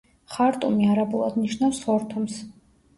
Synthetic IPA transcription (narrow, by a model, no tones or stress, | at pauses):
χaɾt̪ʼumiaɾabulˠa̰d̪niʃnafsχɔɾt̪ʰums